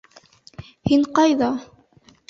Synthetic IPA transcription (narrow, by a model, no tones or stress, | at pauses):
hiɴqɑjðɑ